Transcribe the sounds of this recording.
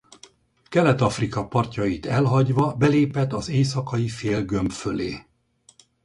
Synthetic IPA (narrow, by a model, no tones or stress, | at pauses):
kɛlɛt̪ɒfrikɒpɒrcɒjit̪ɛlɦɒɟʋɒbɛleːpɛt̪ːɒzeːs̬ɒkɒjifeːlɡømpfø̞leː